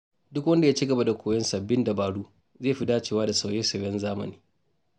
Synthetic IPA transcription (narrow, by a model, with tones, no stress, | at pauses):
dʊ˦kwɐ˦nda˨ja˦t͡ʃi˦ɡɐ˨ba˦da˨kʷoː˨jɛ˦nsɐ˨bːɪ˦nda˨baː˨ɽuː˦ | zeː˦˨ɸi˦daː˦t͡ʃeː˦waː˦da˨sa˨wjeː˦sɐ˨wjɛ˦nzaː˦mɐ̰˨niː˦